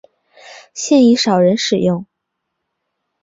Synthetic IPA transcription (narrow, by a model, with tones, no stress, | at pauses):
ɕjɛ˥˩ni˧˥ʂɑ˨˩ʊɻə˧˥nʂɻ̩˨˩jʊ˥˩ŋ